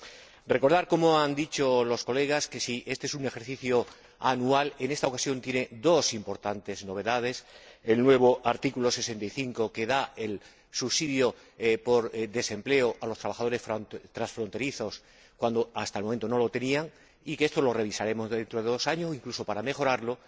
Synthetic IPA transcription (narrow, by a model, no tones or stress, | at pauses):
re̞ko̞ɾðaɾko̞mo̞and̪it͡ʃo̞lo̞sko̞le̞ɣ̞askesiʔe̞st̪e̞esune̞xe̞ɾθiθjo̞ | anuale̞ne̞st̪aokasjo̞nt̪je̞ned̪o̞simpo̞ɾt̪ant̪e̞zno̞β̞e̞ðað̞e̞se̞lnwe̞βo̞ʔaɾt̪ikulo̞se̞se̞nt̪ajθiŋko̞ke̞ðae̞l | suβsiðjo̞ | po̞ɾðe̞se̞mple̞oʔalo̞st̪ɾaβaxað̞o̞ɾe̞sft̪ɾasfɾo̞nt̪e̞ɾiθo̞s | kwand̪oast̪aelmoment̪o̞no̞lo̞t̪e̞niaŋ | ikeest̪o̞lo̞re̞β̞isaɾe̞mo̞zðe̞nt̪ɾoð̞e̞ðo̞saɲosiŋkluso̞paɾame̞xo̞ɾaɾlo̞